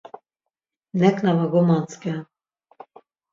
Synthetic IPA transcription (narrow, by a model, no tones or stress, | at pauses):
nɛknavaɡɔmanska